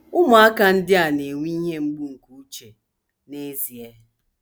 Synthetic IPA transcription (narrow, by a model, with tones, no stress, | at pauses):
ʊ˦m˨a˦ka˦n̩˦dɪ˦a˨ne˨ŋʷi˦ɦe˦ŋ͡m̩˦ɡ͡bu˦ŋ̩˨ku˨u˦t͡ʃe˨ | ne˦zi˨e˦